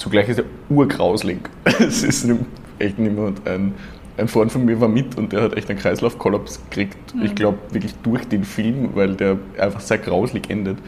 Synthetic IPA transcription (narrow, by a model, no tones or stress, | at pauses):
t͡suɡlaɪçɪstd̥eːɐʔuːɐɡʁaʊslɪŋsɪsnɪmt | ʔɛçtnɪmɐtæ̰ɪn | ʔæɪnfʁɔ̃ʏntfɔnmiːɐvaːɐmɪtʰʊnt̚d̥eːɐhatʔɛ̰çtæɛɪnkʁ̥aɪslaʊfkʰɔlapsə̥kʁ̥iːktɪçɡ̥laʊpvɪɐklɪçd̥ʊɐçd̥eːnfɪlmvaɪldeːɐʔa̰ɪnfaχseːɐɡ̥ʁaʊzlɪçʔɛndət